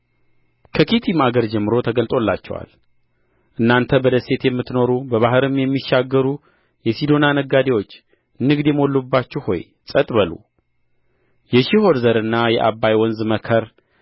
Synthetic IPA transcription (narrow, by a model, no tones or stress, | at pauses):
kʰəkʰit̪ʰimaɡəɾd͡ʒɛmːɨɾo̞t̪ʰəɡəlt̪ʼo̞lːa̰t͡ʃːɛ̰wa̰l | ʔɨnːant̪ʰəbəd̪əse̞t̪jɛmːɨt̪no̞ɾubəβaɦɨɾɨmjɛmːiʃːaɡːəɾu | jɛsid̪o̞nanəɡad̪ewo̞t͡ʃː | nːɨɡd̪jɛmo̞lːubːat͡ʃːuho̞̰j | sʼət̪ʼbəlṵ | jɛʃiho̞ɾzəɾɨnːajɛ̰ʔabːajwɔnzɨməkʰəɾ